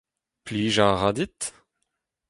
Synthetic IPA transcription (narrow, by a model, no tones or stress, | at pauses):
pliːʒaʁad̪it̪